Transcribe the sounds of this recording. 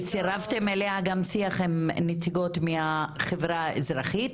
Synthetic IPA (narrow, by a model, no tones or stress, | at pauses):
t͡siʁaft̪e̞melehaɡamsiaχemnet͡siɡo̞tmeaχevʁaḛzʁaχit